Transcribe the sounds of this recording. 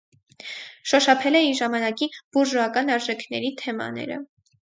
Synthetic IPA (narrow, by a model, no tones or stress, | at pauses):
ʃɔʃɑpʰɛlɛiɾʒɑmɑnɑkib̥uɾʒɔɑkɑnɑɾʒɛkʰnɛɾit̪ʰɛmɑ̰nɛ̰ɾə̰